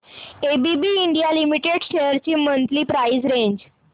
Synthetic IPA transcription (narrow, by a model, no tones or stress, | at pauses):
ebibiːɳɖijalimiʈeɖɕeɾt͡ɕiːmənt̪liːpɾaizɾeɲd͡ʑ